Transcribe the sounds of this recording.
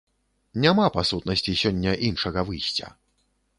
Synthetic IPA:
nʲamapasut̪nɐsʲt͡sʲisʲɔnʲːɐʔinʂɐɣɐvɨjsʲt͡sʲɐ̰

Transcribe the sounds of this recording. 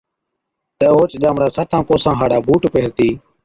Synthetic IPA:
t̪əːɦoːt͡ʃʄaːmɾaːsaːt̪ʰãːkoːsãːɦaːɽaːbʱuːʈpeːɾt̪iː

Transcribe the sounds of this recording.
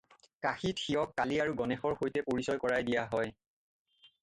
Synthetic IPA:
kaxitxiɔkːaliaɹuɡɔnɛxɔɹxojtɛpoɹisɔjkɔɹajdijaɦɔj

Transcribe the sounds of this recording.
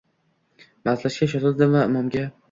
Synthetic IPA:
mazlaʃkʲaʃɒt̪ʰɪld̪ɪmvaɪmɒmɡʲa

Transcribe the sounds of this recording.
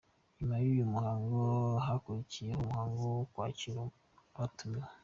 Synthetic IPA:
ɲumajuːjumuhaːŋɡoɦakuɾicijehomuhaːŋɡokwa̰ːciɾa | βatuma

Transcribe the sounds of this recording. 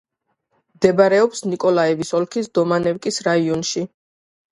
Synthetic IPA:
md̪ɛbaɾɛɔpsnikʼɔlaɛvisɔlkʰisd̪ɔmanɛvkʼisɾaiɔnʃi

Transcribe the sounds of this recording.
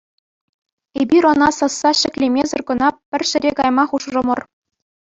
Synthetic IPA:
ebʲirŏnɑsɑsːɑɕɘ̆kʲlʲemʲezɤ̆rkɤ̆nɑpʲɘ̆rʲɕɘ̆ɾʲekɑjmɑχuʂʐɤ̆mɤ̆r

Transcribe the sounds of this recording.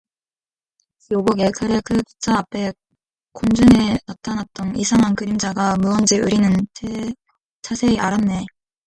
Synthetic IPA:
joɡoɡeɭkʰɯɾekʰɯku̥t͡ɕ͈ʰaapʰe̞ | kond͡ʑunenatʰanat͈ʌnisʰaŋɦankɯɾimd͡ʑaɡamuʌnd͡ʑiɯɾinɯntʰe | t͡ɕʰasʰe̞iʔaɾamne̞

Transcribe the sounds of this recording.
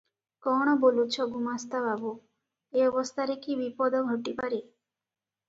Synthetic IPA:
kɔɽ̃ɔbolut͡ʃʰɔɡumast̪ababu | eɔbɔst̪ʰaɾekibipɔd̪ɔɡʱɔʈipaɾe

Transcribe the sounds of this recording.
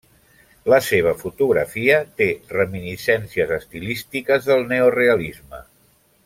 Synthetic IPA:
ləseβ̞əfut̪uɣɾə̰fiət̪erəminisɛnsiəzəst̪ilist̪ikəzðəlˠneoreəlizmə̰

